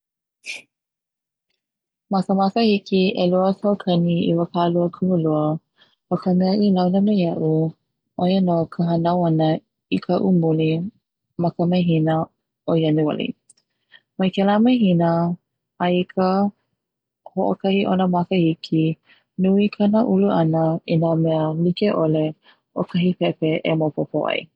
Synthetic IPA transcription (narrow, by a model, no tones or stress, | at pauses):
mɐkəmakəhikiʔeluətʰokʰɐniḭwəkʰaluəkʰuuluə | məkʰəmeəʔilawnəmejɐʔu | ʔojənokʰəɦənawɐnə | ikʰəʔumuli | mɐkəmɐjɦinə | ojanuɐ̰lḭ | majkɛlamajɦinə | aikʰə | hoʔokɐhiʔonəmakəhikʰi | nuikʰanəʔuluʔɐnəinamɛəlikeʔole | okʰɐɦipɛpeʔemopopoʔa̰j